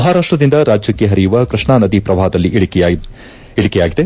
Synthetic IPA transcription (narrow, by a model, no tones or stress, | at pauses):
mɐɦaːɾaːʂʈɾɐd̪ind̪ɐɾaːd͡ʒjɐkːe̞ɦɐɾijuʋɐkɾɐʂɳaːnɐd̪ipɾɐʋaːɦɐd̪ɐlːiɭ | iɭikɛjaːɡid̪e̞